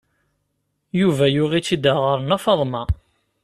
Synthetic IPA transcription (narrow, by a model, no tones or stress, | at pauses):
juvæjʊʁit͡sːid̪əʁəɾənæfɑðˤmɑ